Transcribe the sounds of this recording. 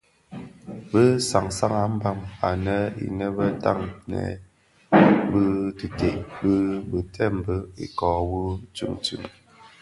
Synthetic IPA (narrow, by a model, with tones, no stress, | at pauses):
bə˦sa˨ŋsa˦ŋa˨˦m̩˦ba˦˨ma˨nə˦ḭ˨nɛ˦bə˦ta˦˨ŋnɛ̰˨ | bə˦tɨ˨te˨ʔbə˦bɨ˨tʰɛ˦˨m̩˨bə˦ḭ˨kɔ˨wu˦t͡ʃʉ̰˦˨ŋt͡ʃʉ̰˦˨ŋ